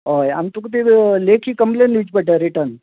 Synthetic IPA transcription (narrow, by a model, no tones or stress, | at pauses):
oja̰mt̪ukt̪ileːkʰikəmlenit͡ʃpɐʈaɾiʈən